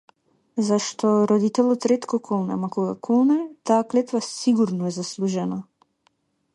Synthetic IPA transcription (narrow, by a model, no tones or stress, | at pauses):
zaʃt̪ɔɾɔd̪it̪ɛlˠɔt̪ɾɛt̪kɔkʰɔlˠnɛ̰makɔɡakʰɔlˠnɛt̪aːklɛt̪vasiɡuɾnɔɛzaslˠuʒɛna